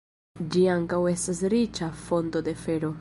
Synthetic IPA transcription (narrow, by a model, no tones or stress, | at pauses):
d͡ʒiaŋkawe̞stasɾit͡ʃafo̞nto̞de̞fe̞ɾo̞